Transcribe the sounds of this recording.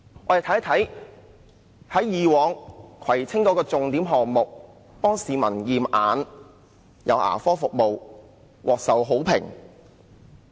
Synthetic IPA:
ʔɔː˨˧je˨˧t̪ʰɐ˥t̪ʰɐ˨˥j | hɐ˨˥jjiː˨wɔː˨˧ŋkʰɐ˨˩jt͡sʰɪ˥ŋkɔː˨˧˥kɔː˧t͡sʊ˨ŋt̪iː˨˥mɦɔː˨k̚mʊ˨k̚ | pɔː˥ŋsiː˨˧mɐ˨˩njiː˨mʔaː˨n | jʔɐ̰˨˧wʔa̰ː˨˩fɔː˥fʊ˨k̚mo˨w | wʔɔː˨k̚sɐ˨wɦo˨˥wpʰɪ̰˨˩ŋ

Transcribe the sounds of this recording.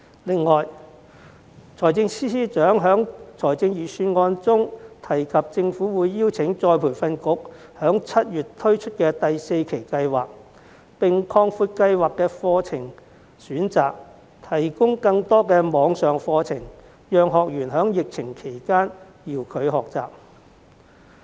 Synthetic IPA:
lɪ˨ŋːɔː˨˩j | t͡sʰɔː˨˩jt͡sɪ˧ŋsiː˥siː˥t͡ʃœː˨˥ŋɦœː˨˥ŋt͡sʰɔː˨˩jt͡sɪ˧ŋjiː˨˩syː˧nŋɔː˧nt͡sʊ˥ŋt̪ʰɐ˨˩jkʰɐ˨p̚t͡sɪ˧ŋfuː˨˥wuː˨˧jːiː˥wt͡sʰɪ˨˥ŋt͡sɔː˧jpʰuː˨˩jfɐ˧nkʊ˨˥k̚ | hœː˨˥ŋt͡sʰɐ˥t̚jyː˨tt̪ʰɵ˥ɥt͡ʃʰɵ˥t̚kɛː˧t̪ɐ˨jse˧jkʰe˨˩jkɐ˧jwa̰ː˨k̚ | pɪ˨ŋkʰɔː˧ŋfuː˧t̚kɐ˧jwaː˨kːɛː˧fɔː˧t͡sʰɪ˨˩ŋ | syː˨˥nt͡sa̰ː˨k̚ | t̪ʰɐ˨˩jkʊ˥ŋkɐ˧ŋt̪ɔː˥kɛː˧mɔː˨˧ŋsœː˨ŋfɔː˧t͡sʰɪ˨˩ŋ | jœː˨˧ŋɦɔː˨k̚jyː˨˩nɦœː˨˥ŋjɪ˨k̚t͡sʰɪ˨˩ŋkʰe˨˩jkaː˥n | jiː˨˩wkʰɵ˨˧˥ɥɦɔː˨k̚t͡sa̰ː˨p̚

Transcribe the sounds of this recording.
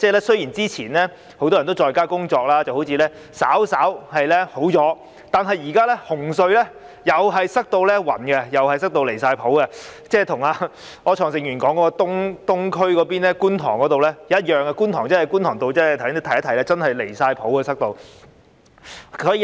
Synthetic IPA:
t͡sɛː˥lɛː˥sɵ˥ji˨˩nt͡siː˥t͡sʰiː˨˩nɛ˥ | ho˧˥wt̪ɔː˥ɐ˨˩t̪o˥wt͡ʃɔː˨˧jkaː˥kʊ˥ŋt͡sɔː˧k̚laː˥t͡sɐ˨who˨˧˥wt͡sʰiː˨˧lɛː˥ | sa̰ː˨˥wsaː˨˥whɐ˨jlɛ˥ho˨˥wt͡sɔː˨˥ | t̪aː˨nɦɐ˨jjiː˨˩kaː˥lɛ˥hʊ˨˩ŋsɵ˧ɥlɛː˥ | jɐ˨wɦɐ˨jsɐ˥k̚t̪o˧wlɛː˥wɐ̰˨˩nkɛ˧jɐ˨whɐ˨jsɐ˥k̚t̪o˧wle˨˩jsaː˧jpʰo˨˥wkɛ˧t͡sɛː˥˩t̪ʰʊ˨˩ŋaː˧ | ɔː˨˧t͡ʃʰɔː˨˩ŋsɪ˨˧ŋjɥyː˨˩nkɔː˨˥ŋkɔ˨˥kɔː˧t̪ʊ˥ŋt̪ʊ˥ŋkʰɵ˥ɥkɔː˨˧piː˥nlɛː˥kuː˥nt̪ʰɔː˨˩ŋkɔ˨˥t̪o˨wlɛː˥jjɐ˥t̚jœː˨˩ŋɛ˧kuː˥nt̪ʰɔː˨˩ŋt͡sɐ˥hɐ˨jkuː˥nt̪ʰɔː˨˩ŋt̪o˧wt͡sɛː˥˨t̪ʰt̪e˥t̪ʰjɐ˥t̪ʰɐ˨˩jlɛː˥t͡sɐ˥nhɐ˨jle˨˩jsaː˧jpʰo˨˥wkɐ˧sɐ˥k̚t̪o˧w | sʰɔː˨˥iː˧

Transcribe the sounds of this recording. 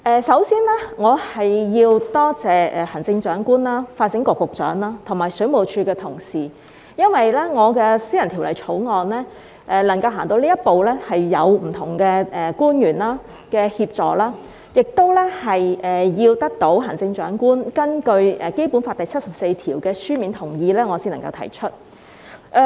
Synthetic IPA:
ʔɛː˨˧sɐ˨˥wsiː˥nlɛ˥ŋɔː˨˧hɐ˨jjiː˧wt̪ɔː˥t͡sɛː˨ɛ˨hɐ˨˩ŋt͡sɪ˧ŋt͡ʃœː˨˥ŋkuː˥nlaː˥faː˧t̚sɪ˨˥ŋkɔː˨˩kʊ˨k̚t͡ʃœ̰ː˨˥ŋlaː˥t̪ʰŋmaː˨˩jsɵ˨˥ɥmo˨˩wt͡ʃʰyː˧kɛː˧t̪ʰʊ˨˩ŋsiː˨˩ | jɐ˥nwɐ˨jlɛː˥ŋɔː˨˧kɛː˧siː˥jɐ˨˩nt̪ʰi˨˩wlɐ̰˨˩jt͡sʰo˨˥wŋɔː˨nlɛː˥ | ʔɛː˨˩lɐ˨˩ŋkɐ˧wɦaː˨˩ŋt̪o˧wliː˥jɐ˥t̚po˨wlɛ˥hɐ˨jːɐ˨˧wm̩˨˩t̪ʰʊ˨˩ŋkɛː˧ʔɛː˨kuː˥njyː˨˩nlaː˥ | kɛː˧hiː˧p̚t͡sɔː˨laː˥ | jɪ˨k̚t̪o˥wlɛː˥hɐ˨jʔɛː˨jiː˧wt̪ɐ˥k̚t̪o˨˥wɦɐ˨˩ŋt͡sɪ˧ŋt͡ʃœː˨˥ŋkuː˥nkɐ˥nkɵ˧ɥɛː˨˩ke˥jpuː˨˥nfaː˧t̪ɐ˨jt͡sʰɐ˥t̚sɐ˨p̚se˧jt̪ʰiː˨˩wkɛː˧syː˥miː˨˥nt̪ʰʊ˨˩ŋjiː˧lɛː˥ŋɔː˨˧siː˥nɐ˨˩ŋkɐ˧wt̪ʰɐ̰˨˩jt͡ʃʰɵ˥t̚ | ʔɛ˧

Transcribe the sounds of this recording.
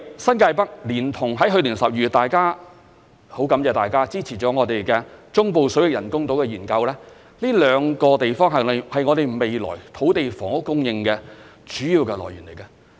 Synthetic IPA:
sɐ˥nkaː˧jpɐ˥k̚liː˨˩nt̪ʰʊ˨˩ŋɦɐ˨˥jɦɵ˧ɥliː˨˩nsɐ˨p̚jyː˨tt̪aː˨jkaː˥ | ho˨˥wkɐ˨˥mt͡sɛː˨˧t̪aː˨jkaː˥t͡siː˥t͡sʰiː˨˩t͡ʃɔː˨˥ŋɔː˨˧t̪e˨jkɛː˧t͡ʃʊ˥ŋpo˨˧wsɵ˨˥wjɪ˨k̚jɐ˨˩nkʊ˥ŋt̪o˨˥wkɛː˧jyː˨˩nkɐ˧wlɛː˥ | liː˥lœː˨˧ŋkɔː˧t̪e˨jfɔː˥ŋɦɐ˨nlɪ˨˩hɐ˨jŋɔː˨˧ɾe˨jme˨jlɔ̰ː˨˩jt̪ʰo˨˥wt̪e˨jfɔː˨˩ŋʊ˥kːʊ˥ŋjɪ˧ŋkɛː˧t͡ʃyː˨˥jiː˨˧wkɛ˧lɔ̰ː˨˩jyː˨˩nle˨˩jka˧

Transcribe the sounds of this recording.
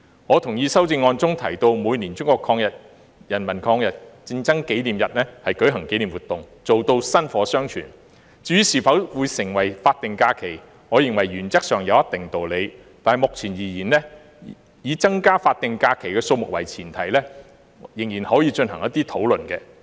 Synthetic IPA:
ŋɔː˨˧t̪ʰʊ˨˩ŋjiː˨˧sɐ˥wt͡sɪ˧ŋːɔː˧nt͡sʊ˥ŋt̪ʰɐ˨˩jt̪o˧wmuː˨˧jniː˨˩nt͡sʊ˥ŋkʷɔː˧kʰɔː˧ŋjɐ˨t̚ | jɐ˨˩nmɐ˨˩nkʰɔː˧ŋjɐ˨t̚t͡sɪ˧ŋt͡sɐ˥ŋke˨˥jliː˨˩mjɐ˨t̚nɛː˥hɐ˨jkɵ˨˥ɥɦɐ˨˩ŋke˨˥jliː˨˩mwuː˨˩t̪ʊ˨ŋt͡so˨wt̪o˧wsɐ˥nfɔː˨˧˥sœː˥ŋt͡ʃʰy̰ː˨˩n | t͡siː˧˨˥jyː˧˥siː˨˩fɐ˨˥wwuː˨˧jsɪ˨˩ŋwɐ˨˩jfaː˧t̚t̪ɪ˨ŋkaː˧kʰe˨˩j | ŋɔː˨˧jɪ˨˩ŋwɐ˨˩jɥyː˨˩nt͡sɐ˥k̚sœː˨ŋjɐ˨˧wjɐ˥t̪ɪ˨ŋt̪o˨wle˨˧j | t̪aː˨nhɐ˨jmʊ˨k̚t͡sʰiː˨˩njiː˨˩jiː˨˩nlɛː˥ | jiː˨˧t͡sɐ˥ŋkaː˥faː˧t̚t̪ɪ˨ŋkaː˧kʰe˨˩jkɛː˧so˧wmʊ˨k̚wɐ˨˩jt͡sʰiː˨˩nt̪ʰɐ˨˩jlɛː˥ | jɪ˨˩ŋjiː˨˩nhɔː˨˥jiː˨˧t͡ʃɵ˧nɦɐ˨˩ŋjɐ˥t̪iː˥t̪ʰo˨˥wlɵ˨˩nkɛː˧

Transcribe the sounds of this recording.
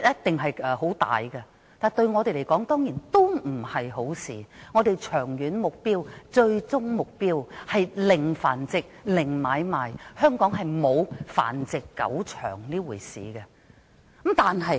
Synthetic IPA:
jɐ˥t̚t̪ɪ˨ŋɦɐ˨jɛː˨ho˨˥wt̪a̰ː˨jɡɐ˧ | t̪aː˨˩t̪ɵ˧ɥŋɔː˨˧t̪e˨jle˨˩kɔː˨˥ŋt̪ɔː˥ŋjiː˨˩nt̪o˥wm̩˨˩hɐ˨jho˨˥wsiː˨ŋɔː˨˧d̪e˨jt͡ʃʰœː˨˩ŋjyː˨˥nmʊ˨k̚piː˥wt͡ʃɵ˧ɥt͡sʊ˥ŋmʊ˨k̚piː˥whɐ˨jlɪ˨˩ŋfa̰ː˨˩nt͡sɪ˨k̚lɪ˨˩ŋmaː˨˧jmaː˨˩jhœː˥ŋkɔː˨˥ŋɦɐ˨jmo˨˧wfa̰ː˨˩nt͡sɪ˨kːɐ̰˨˥wt͡ʃʰœ̰ː˨˩ŋliː˥wuː˨˩jsḭː˨ɡɐ˧˨˦ | mt̪aː˨nɦɐ˨j

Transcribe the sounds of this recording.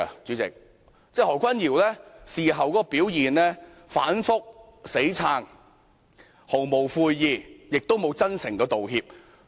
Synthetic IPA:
t͡syː˨˧˥t͡sɪ̰˨k̚ | t͡sɛː˥˩hɔː˨˩kʰʷɐ˥njiː˨˩wlɛː˥siː˨˩ɦɐ˨wkɔː˨˥kɔː˧piː˨˥wjiː˨nlɛː˥ | fa̰ː˨˥nfʊ˥k̚ | se˨˥jt͡sʰaː˧ŋ | ho˨˩wmo˨˩wfuː˧jːiː˨˧jɪ˨k̚t̪o˥wmo˨˧wt͡sɐ˥nsɪ˨˩ŋkɛ˧t̪o˨whiː˧p̚

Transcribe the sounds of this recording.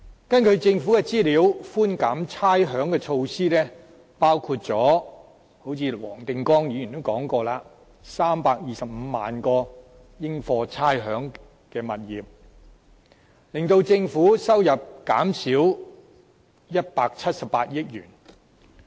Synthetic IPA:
kɐ˥nkʰɵ˨˧ɥt͡sɪ˧ŋfuː˨˥kɛ˧t͡siː˥liː˨˧wfuː˥nkaː˨˥mt͡sʰaː˥jɦœː˨˥ŋkɛː˧t͡ʃʰo˧wsiː˥lɛː˥ | paː˥wkʰuː˧t̚t͡sɔː˨˥ | ho˨˥wt͡sʰiː˨˧wɔ̰ː˨˩ŋt̪ɪ˧ŋkɔː˥ŋjy˨˧y˨˩nt̪o˥wkɔː˨˥ŋkɔː˧laː˧ | saː˥mpaː˧k̚jiː˨sɐ˨p̚m̩˨˧˦ma̰ː˨˩nkɔː˧ | jɪ˥ŋfɔː˧t͡sʰaː˥jɦœː˨˥ŋ | kɛː˧mɐ˨t̚jiː˨p̚ | lɪ˨ŋt̪o˧wt͡sɪ˧ŋfuː˨˥sɐ˥wjɐ˨p̚ka̰ː˨˥msiː˨˥w | jɐ˥t̚paː˧k̚t͡sʰɐ˥t̚sɐ˨p̚ːaː˧t̚jɪ˥k̚jyː˨˩n

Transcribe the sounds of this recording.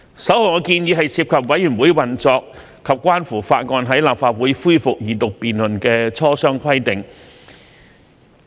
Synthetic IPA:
sɐ˨˥who˨˩wŋɔː˨˧kiː˧njiː˨˧ɦɐ˨jsiː˧p̚kʰɐ˨p̚wɐ˨˥jyː˨˩nwuː˨˥jwɐ˨˩nt͡sɔː˨˧k | kʰːɐ˨p̚kʷwaː˥nfuː˨˩faː˧t̚ŋɔː˧nɦɐ˨˥jlaː˨p̚faː˧t̚wuː˨˥jfuː˥jfʊ˨k̚jiː˨˩t̪ʊ˨k̚piː˨nlɵ˨˩nkɛː˧t͡sʰɔː˥sœː˥ŋkʰɐ˥jt̪ɪ˨ŋ

